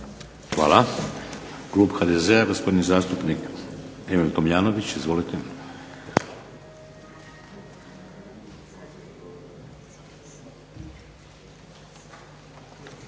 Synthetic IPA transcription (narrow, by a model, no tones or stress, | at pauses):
xʋa̰ːla | ɡ̥lupxad̪ezeaɡospo̞d̪nizaːst̪upnikemilt̪omjaːnoʋit͡ɕizʋo̞lit̪e